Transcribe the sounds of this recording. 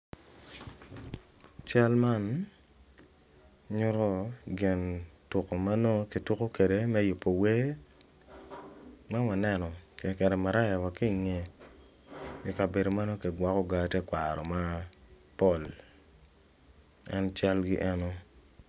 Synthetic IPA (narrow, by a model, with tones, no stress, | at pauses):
t͡ʃa˦lma˦n | ɲʊ˦ɾɔ˦ɡɪ˨ntʊ˨ko˨ma˦no˦ki˨tʊ˦ko˦ke˨de˨mɛ˦jʊ˨pːo˨we˦ | ma˦wa˨nɛ˦˨nɔ˨ke˨kɛ˨ɾɛ˨ma˨ɾa˦ja˨wa˨ki˦˨ŋe˨ | ji˦ka˨be˨do˨ma˦no˦ki˨ɡwa˦kɔ˦ɡa˦tɛ˦kwa˨ɾɔ˨ma˦ | pɔ˦˨l | ɛ˦nt͡ʃa˦lɡḭ˦ʔɛ˦no˦